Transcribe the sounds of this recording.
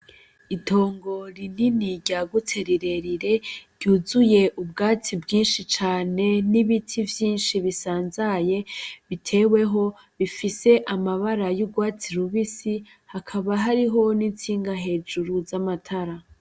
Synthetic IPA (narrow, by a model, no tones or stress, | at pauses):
itʰo̞ːŋɡo̞ɾininiɾɟaːɡutʰe̞ɾiɾe̞ɾiɾe̞ɾɟ̥uːzuje̞ʔub̚ɡaːt͡sibɡiːnʃit͡ʃaːne̞niβitʰivjiːnʃiβisaːnzaje̞βitʰe̞ːwe̞ɦo̞ | βifise̞ʔamaβaɾajuɡwaːt͡siɾuβisi | hakʰaβaɦaɾiɦo̞nint͡siːŋɡaɦe̞ːd͡ʒuɾuzamatʰaɾa